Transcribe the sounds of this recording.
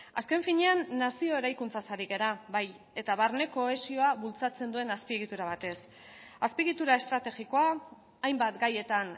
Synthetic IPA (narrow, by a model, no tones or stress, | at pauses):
aske̞ɱfiɲe̞anːasio̞eɾajkunt͡sasaɾiɣe̞ɾaβaj | e̞t̪aβaɾne̞ko̞e̞sio̞aβult͡sat͡se̞nd̪ue̞naspieɣ̞it̪uɾaβ̞at̪e̞s | aspiɣit̪uɾae̞st̪ɾat̪e̞ɣiko̞aː | jmbat̪ɡaje̞t̪an